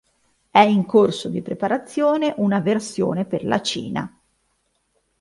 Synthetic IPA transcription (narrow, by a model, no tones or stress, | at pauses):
ɛiŋkorsod̪ipɾepaɾat̪sːjoːneʔunaversjo̰ːneperla̰t͡ʃḭːna̰